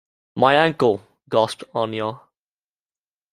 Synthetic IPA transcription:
maɪæ̃ŋkəlˠ | ɡɔsp̚tɔnjɔ

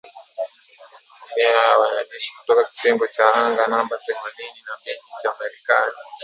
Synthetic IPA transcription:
umɛaawanaʄɛʃi̥kutɔkaki̥tɛŋɡɔt͡ʃaaŋɡanambatɛŋwalininapɛnd͡ʒit͡ʃaːmaɾɛkani

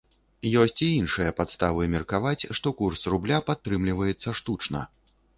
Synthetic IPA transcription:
jɔsʲt͡sʲiinʂɨjɐpat̪st̪avɨmʲɛrkavat͡sʲʂt̪ɔkursrublʲapat̪ːɾɨmlʲivɐjɛt̪sːɐʂt̪ut͡ʂnɐ̰

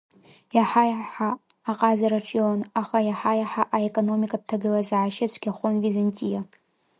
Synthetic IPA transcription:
jaħajaħaːqʼazaɾaʈ͡ʂʼjonaχajaħajaħaʔaekʼono̞mikʼap̚tʰaɡɨlazaʕaʃɪt͡ʃʷʰɡʲaχʷonvizantʼija

